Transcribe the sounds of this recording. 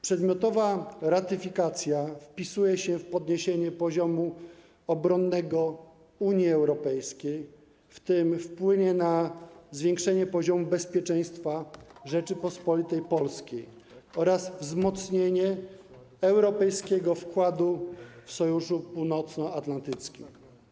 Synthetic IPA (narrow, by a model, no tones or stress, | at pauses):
pʂɛd̪mʲjɔt̪ɔvaɾat̪ɘfʲikat̪sʲjafpʲisujɛɕɛfpɔd̪ɲeɕeɲɛpɔʑɔmu | ɔbɾɔnːɛɡɔ | uɲiɛwɾɔpɛjskʲej | ft̪ɘmfpwɘɲɛnazvʲjẽŋkʂɛɲɛpɔʑɔmubɛspʲjɛt͡ʂɛ̃j̃st̪faʐɛt͡ʂɘpɔspɔlʲit̪ɛjpɔlskʲej | ɔɾasvzmɔt̪sɲeɲɛ | ɛwɾɔpɛjskʲeɡɔfkwad̪ufsɔjuʂupuwnɔt̪snɔat̪lant̪ɘt̪skʲḭm